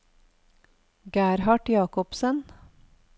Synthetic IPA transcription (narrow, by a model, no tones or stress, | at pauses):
ɡæːɾhɑʈjɑːkɔpsən